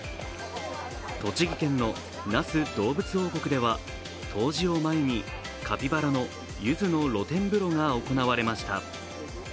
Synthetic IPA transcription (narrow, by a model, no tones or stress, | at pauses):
t̪o̞t͡ɕiɡʲikẽ̞nːo̞ | nasɨd̪̥o̞ːbɯ̟t͡sɨo̞ːko̞kɯ̟d̪e̞βa | t̪ʰo̞ːʑio̞maeɲ̟i | kʰapʲibaɾano̞ | jɯ̟zɨno̞ɾo̞t̪ẽ̞mbɯ̟ɾo̞ŋao̞ko̞naβaɾe̞maɕi̥t̪a̰